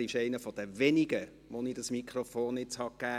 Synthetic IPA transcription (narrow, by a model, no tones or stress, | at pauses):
iʃɛɪnəfɔd̥əvɛniɡə | ʋonidɑsmikʰɾofoːnɪt͡shɑkːæː